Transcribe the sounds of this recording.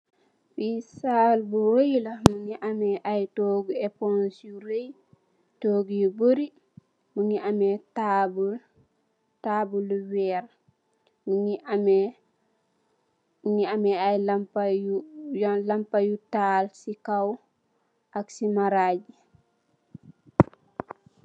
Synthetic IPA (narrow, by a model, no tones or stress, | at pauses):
fisaːlbuwojilamuŋiʔamɛʔajtoːɡuepɔnsjuɾej | toːɡjuboɾi | muŋiamɛtabul | tabulwɛɾ | muŋiam | muŋiamɛajlampajujlampajutalsikaw | ʔaksimaɾaːɟi